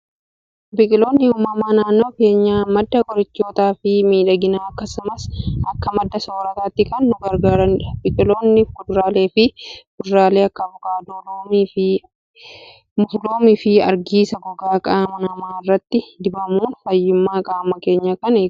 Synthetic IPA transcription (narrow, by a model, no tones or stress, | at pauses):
bɪkʼɪlo̞ːnːɪʊmɐmaːnaːnːo̞ːke̞ːɲːaːmɐd̪ːɐɡɔɾɪt͡ʃːo̞ːt̪aːfɪmiːᶑɐɡɪnaːɐkːɐsʊmɐsɐkːɐmɐd̪ːɐsoːɾɐt̪ɐt̪ːɪkɐnːʊɡɐɾɡaːɾɐnᶑɐbɪkʼɪlo̞ːnːɪkʊd̪ɾaːle̞ːfɪkʊd̪ɾaːle̞ːɐkːɐbʊkʼaːd̪oloːmiɪ | mʊfloːmɪfɪɐ̰ɾɡiːsɐɡɔɡaːkʼaːmɐnɐmaːɪrːɐt̪ːɪd̪ɪbɐmuːnfɐjːʊmːaːkʼaːmɐke̞ːɲːɐkɐneː